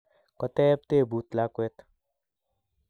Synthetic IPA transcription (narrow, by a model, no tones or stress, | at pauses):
kɔt̪ɛp̚t̪eːbuːt̪laːket̪